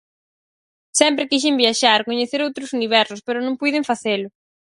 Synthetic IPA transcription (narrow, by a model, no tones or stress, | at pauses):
sɛmpɾɪkiʃ̬ɪmbjaʃaɾkoɲeθeɾowt̪ɾʊsuniβ̞ɛɾsʊspeɾʊnõŋpujðɪɱfaθelʊ